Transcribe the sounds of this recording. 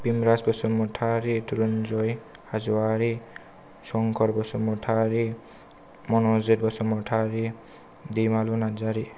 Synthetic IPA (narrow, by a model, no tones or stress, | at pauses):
pimɾasbɔsumɔʈʰaɾituɾɔnd͡ʒɔj | hazwaɾi | sɔŋkʰɔɾbɔsɔmɔʈʰaɾi | mɔnɔzet̪̚bɔsɔmɔʈʰaɾi | d̪imalunad͡zaɾi